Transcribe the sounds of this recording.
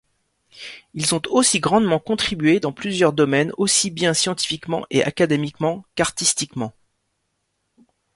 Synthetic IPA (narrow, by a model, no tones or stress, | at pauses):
ilzɔ̃t̪osiɡʁɑ̃d̪mɑ̃kɔ̃t̪χibɥed̪ɑ̃plyzjœʁd̪ɔmɛnosibjɛ̃sjɑ̃t̪i̥fikmɑ̰̃ʔeʔa̰kad̪emikmɑ̃kaʁt̪ist̪ikmɑ̃